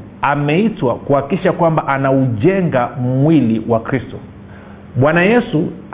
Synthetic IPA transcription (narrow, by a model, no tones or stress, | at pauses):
amɛitwakuhakiʃakwambaʔanauʄɛŋɡam̩wiliwʔakɾistɔ | ɓwanajɛsu